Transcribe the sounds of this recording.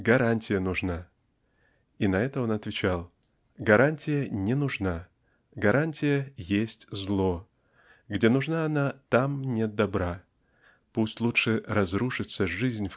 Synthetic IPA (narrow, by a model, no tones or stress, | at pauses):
ɡɐɾanʲtʲɪjənʊʐna | inɐɛt̪əo̞nɐt̪vʲɪt͡ɕalˠ | ɡɐɾanʲtʲɪjənʲɪnʊʐna | ɡɐɾʔanʲtʲɪjəjesʲtʲzlˠo̞ | ɡdʲe̞nʊʐnaɐnat̪amnʲet̪̚d̪ɐbɾa | pusʲtʲlˠutʂɨɾɐzɾuʂɨt̪səʐɨzʲnʲf